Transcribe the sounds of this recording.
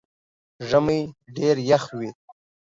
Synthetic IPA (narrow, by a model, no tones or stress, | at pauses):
ʐəmijɖeːɾjaxwit̪̚